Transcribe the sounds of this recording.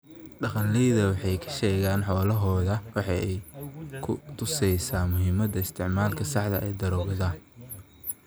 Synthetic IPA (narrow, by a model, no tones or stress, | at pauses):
ɖɑqɑnlɛjðɐwɑħɑjkʰɐ̥ʃɛːɣaːnħɔːlɐɦɔːðɐwɑħɑɛjkʰʊ̰t̪ʰʊsɛjsaːmʊɦɪmɐd̪ɐɪst̪ʰɪʕmaːlkʰɐsɑħd̪ɐʔɛːd̪ɐɾɔɣða